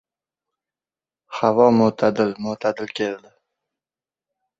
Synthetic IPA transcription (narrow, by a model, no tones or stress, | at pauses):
havɒmʊt̪ʰad̪ɪlmʊt̪ʰad̪ɪlkʲʰeld̪ɪ